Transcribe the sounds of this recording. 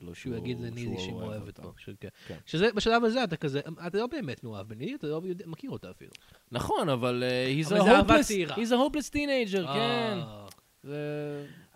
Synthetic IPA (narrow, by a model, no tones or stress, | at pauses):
ʃeujaɡid̪lenidiʃimoevet̪boʃekenkʃezebeʃalavazeat̬akazeʔatalo̞be̞ːmetnoavbenidiatalojod̪makiʁo̞t̪aːfḭlṵ | nɐχo̞navalehizvɦosiʁahizehoplest̪inejd͡ʒeʁken | ze